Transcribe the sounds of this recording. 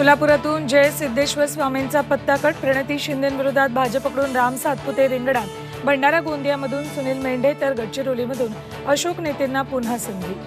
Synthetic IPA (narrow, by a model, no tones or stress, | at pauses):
mulapuɾat̪uːnd͡ʑesid̪ːeɕʋəsʋament͡sapət̪ːakəʈ̚pɾəɽ̃ət̪iːɕind̪ənʋiɾod̪ʱat̪̚bʱad͡ʑəpəkɽuːnɾamsat̪̚put̪eɾiŋɡɽat̪ | bʱəɳɖaɾaɡond̪jaməd̪ʱuːnsuñiːlmeɳɖʱet̪əɾɡʱəʈ̚t͡ɕiɾoliməd̪ʱuːn | əɕoknet̪enːapun̤asəŋɡ̪ʱi